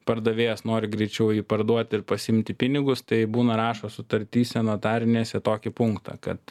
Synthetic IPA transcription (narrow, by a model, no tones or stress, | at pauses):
pɐɾd̪ɐʋʲeːjɛsnoːɾʲɪɡɾʲɛɪt͡ʃʲɛʊjiːpɐrd̪uɔt̪ʲɪɾpɐsʲɪɪmʲt̪ʲɪpʲɪnʲɪɡʊst̪ɐɪbuːnɐɾɑːʃoːsʊt̪ɐɾʲt̪ʲiːsʲɛnot̪ɑːɾʲɪnʲeːsʲɛt̪oːkʲɪpʊŋkt̪ʰɐ̰kɐ̰t̪